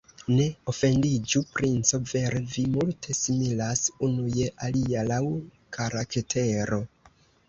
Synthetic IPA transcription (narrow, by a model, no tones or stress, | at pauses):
ne̞o̞fe̞ndid͡ʒupɾint͡so̞ve̞ɾevimultʰe̞similasunuje̞ʔalialaw | kʰaɾaketʰe̞ɾo̞